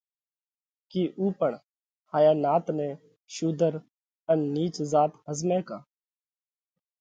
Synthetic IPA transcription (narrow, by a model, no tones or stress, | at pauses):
kiːʔuːpəɳ | haːjaːnaːt̪nɛ̃ː | ʃuːd̪əɾ | ənːiːt͡ʃzaːt̪ɦəzmɛ̃ːkaː